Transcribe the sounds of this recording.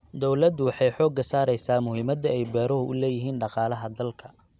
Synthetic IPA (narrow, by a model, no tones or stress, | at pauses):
d̪ɔwlɐd̪wɑħɑjħɔːɡɐsaːɾɛjsaːmʊhiːmɐd̪ɐɛjbɛːɾɔɦʊʔʊlɛːjɪɦiːnɖɑqɑːlɐɦɐd̪ɐlkʰɐ̥